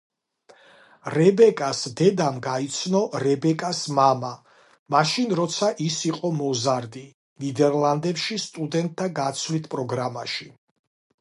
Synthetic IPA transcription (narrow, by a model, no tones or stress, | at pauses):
ɾɛbɛkʼasd̪ɛd̪amɡait̪sʰnɔɾɛbɛkʼasmama | maʃinɾɔt̪sʰaʔisiqʼɔmɔzaɾd̪i | nid̪ɛɾlˠand̪ɛpʃist̪ʼud̪ɛnt̪̚ʼʰːaɡat̪sʰlit̪ʰpʼɾɔɡɾamaʃi